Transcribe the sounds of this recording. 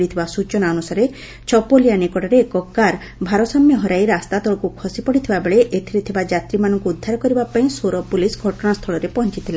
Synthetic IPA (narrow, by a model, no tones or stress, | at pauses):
ɽit̪ʰibasut͡ʃɔnaɔnusaɾe | t͡ʃɔpolijanekɔʈaɾeːkɔkaɾ | bʱaɾɔsɔmjɔɦɔɾajɾast̪at̪ɔɭɔkukʰɔsipɔɽit̪ʰibabeɭeʔet̪ʰiɾit̪ʰibad͡ʒat̪ɾimanɔŋkuːd̪ʱːaɾɔkɔɾibapaĩsoɾɔpulisɡʱɔʈɔɽ̃ast̪ʰɔɭɔɾepɔɦɔnt͡ʃit̪ʰila